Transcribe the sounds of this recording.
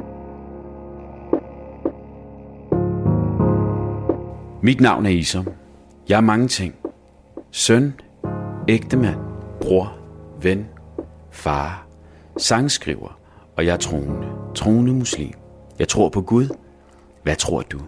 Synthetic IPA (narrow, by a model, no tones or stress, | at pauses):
mid̥nɑ̈ʊ̰næɐisɒm | jɑ̈ɪæɐmɑ̈ŋət͡sʰe̝ŋ̰ | sœn | eɡ̥̚d̥əmæn̰b̥ʁoɐ̰ʋen | fɑ̈ː | sɑ̈ŋəsɡ̥ʁḭʊ̰ɐ | ɒ̽jɑ̈ɪæɐt͡sʰʁoːnət͡sʰʁo̝ːnəmuslḭːm | jɑ̈ɪt͡sʰʁo̝ɐ̰pʰɒ̽ɡ̥uð̞ˠ | ʋæt͡sʰʁo̝ɐ̰d̥u